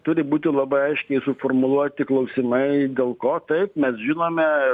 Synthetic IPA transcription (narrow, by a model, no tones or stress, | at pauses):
t̪ʊɾʲɪbuːt̪ʲɪlˠɑbɐɪɐɪʃʲkʲɛɪsʊfoːrmʊlˠuɔt̪ʲɪklˠɐʊsʲɪmɐɪd̪ʲeːlˠkoːt̪ɐɪpmʲɛsʒʲɪnoːmʲɛ